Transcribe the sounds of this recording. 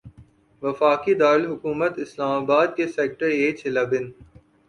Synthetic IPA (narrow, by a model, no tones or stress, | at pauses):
ʋɐfaːkid̪aːɪlɦʊkuːmət̪ɪslaːmaːbaːd̪̚keseːk̚ʈəɾeːt͡ʃʰɪlabɪn